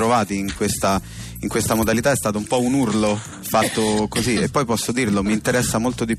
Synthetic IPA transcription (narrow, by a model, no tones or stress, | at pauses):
ɾovaːt̪iːŋkwest̪a | iŋkwest̪amod̪alit̪aɛst̪aːt̪oumpɔunurlo | fat̪ːokoziepːɔjpɔsːod̪iːrlomiːnt̪eɾɛsːamolt̪od̪ip